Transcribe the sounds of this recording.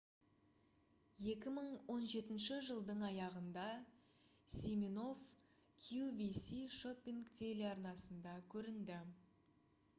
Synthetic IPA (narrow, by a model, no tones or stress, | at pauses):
je̞kʲɪməɴwo̞nʒe̞t̪ɪnʃɪʒəlˠd̪əɴɑjɑʁənd̪ɑ | sʲimino̞f | kʲʰjuvʲisiʃopʲːiŋkt̪ʲʰeleɑɾnɑsənd̪ɑkʲʰɵɾɪnd̪ɪ